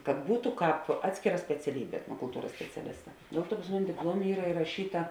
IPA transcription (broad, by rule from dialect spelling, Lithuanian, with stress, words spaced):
kɐt ˈbuːtʊ ˈkɑːp ˈɑːtʲsʲkʲeːˌrɐ sʲpʲɛt͡sʲɛˈlʲiːbʲeː ɛtnoːkʊlˠˈtuːrɐs sʲpʲɛt͡sʲɛˈlʲɪstɐ ˈdʲeːlˠ ˌtuɔ pɐs ˈmʊnʲɪ dʲɪpˈlˠuɔmʲeː ˈiːrɐ ɪrɐˈʃʲiːtɐ